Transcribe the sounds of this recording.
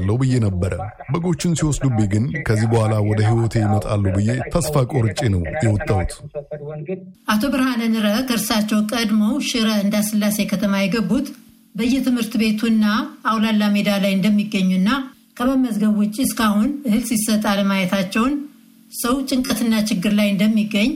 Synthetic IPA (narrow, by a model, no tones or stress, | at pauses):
lːəwbɨje̞nəbːəɾə | bəɡo̞t͡ʃːɪnsiwɔsd̪ubiɡɨnkʰəzːibəhʷalawɔd̪əɦiwɔt̪ʰe̞jɪmət̪ʼa̰lːubɨjːet̪ʰəsfakʼoɾɨt͡ʃʼːenəwjɛwɔt̪ʼːawut̪ | ʔat̪ʰo̞bɨɾhanənɨɾəkʰəɨɾsat͡ʃːɛwkʼəd̪mo̞wʃɪɾəɨnd̪asɨlːase̞kʰət̪ʰəmajɛɡəbːut̪ | bəɨjːɛt̪ʰɨmhɨɾt̪be̞t̪ʰuɨnːaːwlalːamed̪alajɨnd̪əmːiɡːəɲːuɨnːa | kʰəβəməzɡəβwʊt͡ʃʼːiskahunɨhɨlsisːət̪ʼaləmajɛt̪ʰat͡ʃːɛwn | səwt͡ʃʼɨŋkʼət̪ɨnːat͡ʃɪɡːɨɾlajɨnd̪əmːiɡːəɲː